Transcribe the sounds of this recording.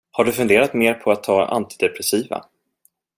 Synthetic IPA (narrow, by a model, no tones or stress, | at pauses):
haɖɵfɵnd̪eːɾat̪meːɾpʰɔat̪ʰːɑːa̰nt̪ɪd̪ɛpɾɛsiːva̰